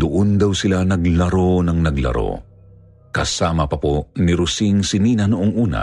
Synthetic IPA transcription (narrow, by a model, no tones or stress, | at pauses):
d̪ʊʔond̪ɐwsɪlanɐɡlɐɾonɐŋnɐɡlɐ̰ɾo̰ | kɐsaːmɐpɐponiɾʊsiŋsɪniːnɐnʊʔoŋʔuːnɐ̰